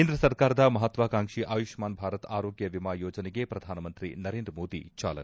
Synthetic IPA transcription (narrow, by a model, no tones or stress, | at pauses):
end̪ɾɐsɐɾkaːɾɐd̪ɐmɐɦɐt̪ʋaːkaːŋʂiʔaːjuʃmaːnbʱaːɾɐt̪aːɾoːɡjɐʋimaːjoːd͡ʒɐneɡepɾɐd̪ʱaːnɐmɐnt̪ɾḭnɐɾeːnd̪ɾmoːd̪ḭt͡ʃa̰ːlɐ̰n